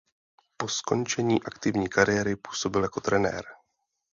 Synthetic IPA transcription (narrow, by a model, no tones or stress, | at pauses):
po̞sko̞nt͡ʃɛɲiːʔakt̪ɪvɲiːkaɾɪjɛɾɪpu̥ːso̞bɪljako̞t̪ɾɛnɛ̰ːɾ